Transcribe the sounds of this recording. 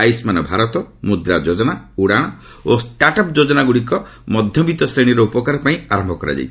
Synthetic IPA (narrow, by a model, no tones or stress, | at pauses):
ajsmanɔbʱaɾɔt̪ɔmud̪ɾad͡ʒod͡ʒɔɽ̃auɽaɽ̃ɔ | osʈaʈɔpd͡ʒod͡ʒɔnaɡuɽikɔ | mɔd̪ʱjɔbit̪ɔsɾeɽ̃iɾɔupɔkaɾɔpaĩaɾɔmbʱɔkɔɾa̰d͡ʒa̰jt͡ʃʰ